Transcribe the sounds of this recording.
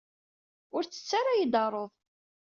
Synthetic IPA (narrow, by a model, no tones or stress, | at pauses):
ʊɾt͡sːə̥t͡sːaɾajid̪ɑrˤoðˤ